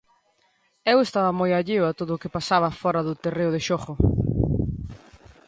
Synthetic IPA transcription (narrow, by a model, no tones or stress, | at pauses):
ewest̪aβɐmojaʎewat̪oðʊːkepasaβ̞ɐfɔɾɐðʊt̪ereʊðeʃɔχʊ